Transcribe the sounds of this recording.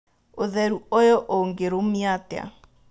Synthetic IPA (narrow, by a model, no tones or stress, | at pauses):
oðɛɾuojɔʔoŋɡeɾomiatea̰